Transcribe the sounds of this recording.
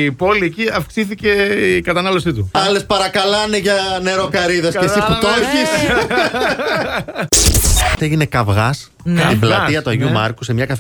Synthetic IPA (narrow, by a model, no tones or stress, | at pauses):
ipo̞lieciɐfksiθice̞ikɐt̪ɐnɐlo̞sit̪uɐle̞spɐɾɐkɐlɐneʝɐne̞ɾokɐɾiðɐskesifut̪oçis | eʝinekɐvɣɐs | iblɐt̪iɐt̪uɐʝumɐɾkusemɲɐkɐf